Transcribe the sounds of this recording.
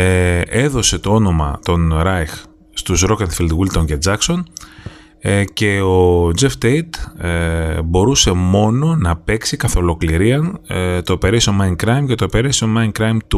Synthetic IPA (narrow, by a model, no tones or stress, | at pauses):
ee̞ðo̞se̞t̪o̞o̞no̞mɐ̰t̪o̞nɾɐjx | st̪usɾokɐnfild̪ɣilt̪onced͡zɐkso̞n | ce̞o̞d͡zeft̪ejt̪ | bo̞ɾuse̞mo̞no̞nɐpe̞ksikɐθo̞lo̞kliɾiɐnt̪o̞pe̞ɾesomɐjnkɾɐjmce̞t̪o̞pe̞ɾesionmɐjnkɾɐjmt̪u